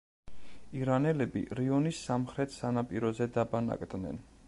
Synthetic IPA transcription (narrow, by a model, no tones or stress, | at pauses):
iɾanɛlɛbḭɾiɔnisːamχɾɛt̪ʰsanapʼiɾɔzɛd̪abana̰kʼd̪nɛ̰n